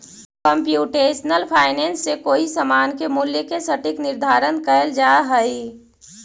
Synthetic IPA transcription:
kəmpjuːʈeːʃnəlpʰaːɪnẽːnsːekoːisəmaːnkemʊljəkesəʈɪknɪɾd̪ʱaːɾənkəld͡ʒaːɦəi

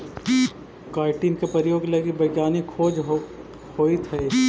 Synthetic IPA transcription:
kaːɪʈinkepɾɐɾjoːɡlɐɡibɐɡjaːnikʰːoːd͡ʒ | hoːit̪ʰɛ

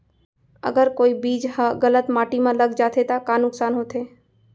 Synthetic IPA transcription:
ə̰ɡəɾkoːibiːd͡ʒɦəɣələt̪maːʈimãləɡd͡ʒaːt̪ʰet̪akaːnʊksaːnɦoːt̪ʰeː

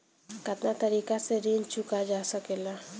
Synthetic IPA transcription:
kət̪nat̪əɾiːkaseɾiːnt͡ʃʊkad͡ʒaːsəkela

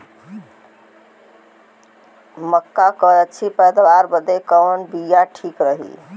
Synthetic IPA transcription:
məkːakəət͡ʃʰipəjd̪aʋaɾbəd̪ʱekəʋnbijaʈʰikɾəɦḭ

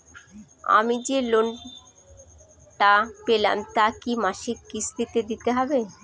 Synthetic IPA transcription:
a̰mid͡ʑelon | ʈapela̰mt̪akimaʃikːist̪it̪ed̪it̪eɦɔbe

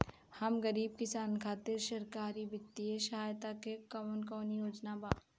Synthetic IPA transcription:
hɐmɡɐɾiːb̚kɪsaːnkʰaːt̪ɪɾʃɐɾkaːɾibɪt̪ːieʃɐɦaːjt̪akekɔmənkɔːnijoːd͡ʒnabaː

